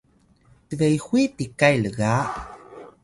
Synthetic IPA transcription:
t̪əvejhʷwipikajləɣa

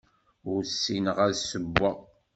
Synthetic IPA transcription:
ʊɾsːinəʁæðsəbːa

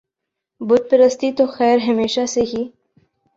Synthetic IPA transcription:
bʊd̪̚pɪɾəst̪it̪oxɛːɾɦɐmeːʃaseɦiː

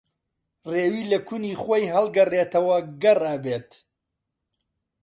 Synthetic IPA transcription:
reːwiːlɐkʰuniːχojɦɐlˠɡɐreːt̪ɐwɐɡɐraːbeːt̪

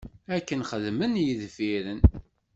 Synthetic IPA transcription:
ækːənχəðmənjiðfiɾən

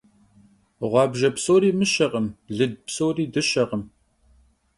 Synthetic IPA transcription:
ʁʷɑːbʒɐpsoːɾiːmɨɕɐʁəmɮɨd̚pʰsoːriːdɨɕɐʁəm

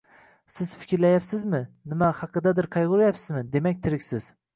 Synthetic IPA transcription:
sɪz̥fɪ̥kʲɾlajapsɪzmɪnɪmahɑqʰɨd̪ad̪ɪɾqʰɑjʁʊɾajapsɪzmɪd̪e̞makʲt̪ʰɪɾɪkʲsɪz̥

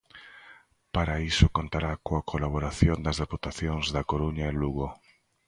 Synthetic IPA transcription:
paɾaisokont̪aɾakoakʰolaβ̞oɾaθjond̪ɐzðeput̪aθjoŋzðakoɾuɲaeluɣo

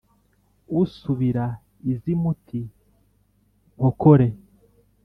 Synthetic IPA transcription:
usuβiɾa | izimutʰi | ŋhokoɾe̞

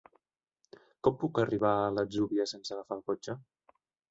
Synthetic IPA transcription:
kɔmpukəriβ̞aələzuβiəsensəɣəfalˠkot͡ʃə

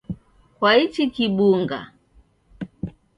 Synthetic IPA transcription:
kwait͡ʃikiɓuŋɡa̰

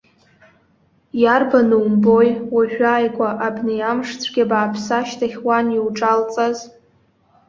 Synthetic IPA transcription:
jarbanuwmbojwaʒᶣʷaːjkʷʼaʔabnejamʂt͡sʷʰɡʲabaːpʰsaʃtʰaχʲwaniwʈ͡ʂʼalt͡sʼaz

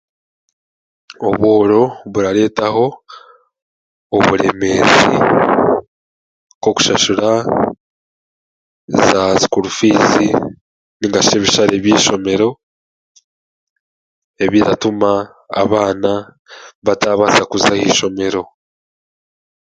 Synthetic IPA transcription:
o̞βwo̞ːɾo̞βuɾaɾe̞ːtaɦo̞ | oβuɾe̞me̞ːzḭ | koku̥ʃaʃuɾa | zazi̥kuɾufiːzi | niŋɡaʃe̞βiʃaɾe̞βjiːʃo̞me̞ɾo̞ | e̞βiɾatuma̰ː | βaːna | βataːβasakuzahiːʃo̞me̞ɾo̞

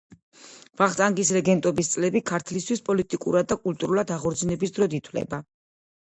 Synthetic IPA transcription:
vaχt̪ʼaŋɡisɾɛɡɛnt̪ʼɔbist̪sʼlɛbikʰaɾt̪ʰlist̪ʰwispʼɔlit̪ʼikʼṵɾad̪ːakʼult̪ʼuɾulˠad̪aʁɔɾd̪znɛbisd̪ɾɔd̪it̪ʰwlɛ̰ba

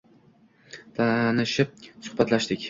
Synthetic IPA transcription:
t̪ʰanɪʃɪp̚sʊ̥hbat̪laʃd̪ɪkʲ

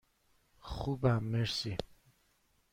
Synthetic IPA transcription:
χubamːeɾsi

